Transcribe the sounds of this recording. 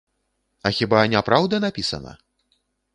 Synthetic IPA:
ɐxʲibanʲapɾawd̪ɐnapʲisɐ̰nɐ̰

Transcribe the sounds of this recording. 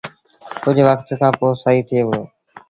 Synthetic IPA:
kʊd͡ʒʱʋəkʰt̪kʰãːpoːsaːiːt̪ʰɪeːɦʊeː

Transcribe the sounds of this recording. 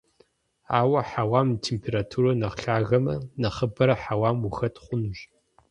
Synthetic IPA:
aːwɐħawaːmtʰeːmpʰeːɾatʰuːɾɐnɐqɬaːɣɐmɐnɐχəbɐɾɐħawaːmuxɐtʰχʷʊnuʒ

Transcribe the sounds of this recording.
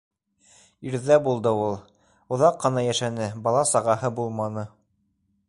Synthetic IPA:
iɾðæbulˠd̪ɤulˠ | ŏðɑqːɤ̆nɑjæʃænɘbɑlˠɑsɑʁɑɦɤbulˠmɑnɤ

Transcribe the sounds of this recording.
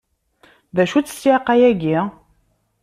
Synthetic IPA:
ðæʃut͡sːə̥sjaqæjæɡi

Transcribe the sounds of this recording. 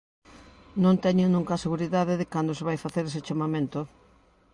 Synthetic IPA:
nõnt̪ɛɲʊnũŋkɐseɣuɾiðaðeðɪkand̪oseβajfaθeɾeset͡ʃamamẽnt̪ʊ

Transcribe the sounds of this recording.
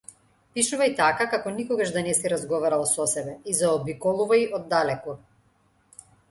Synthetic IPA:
piʃuvajt̪akakakɔnikɔɡaʃd̪anɛsiɾazɡɔvaɾalˠsɔsɛbɛizaɔbikɔlˠuvaiʔɔd̪ːalɛkɔ

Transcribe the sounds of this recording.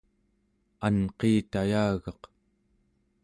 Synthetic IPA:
anqeːt̪ajaːɣɑq

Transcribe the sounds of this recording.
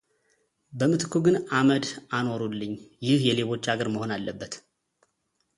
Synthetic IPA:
bəmɨt̪ʰɨkʰuɡɨnaməd̪ano̞ɾulːɨɲːjɪhjɛle̞βo̞t͡ʃːaɡəɾməho̞nalːəbːət̪

